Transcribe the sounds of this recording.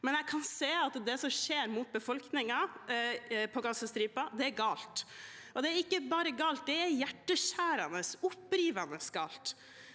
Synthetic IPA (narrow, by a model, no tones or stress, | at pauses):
mɛnjæɪkʰɑnseːɑt̪d̪ɛsɔmʃeːɾmʊt̪̚bəfɔlknɪŋɑ | pʰɔɡɑsəst̪ɾiːpɑd̪ɛæɾɡɑːlt̪ | ʔɔd̪ɛæɾɪkːəbɑːɾəɡɑːlt̪̚d̪ɛæɾjæʈːəʃæːɾɑnəsʊpːɾiːʋɑnəsɡɑ̰ːlt̪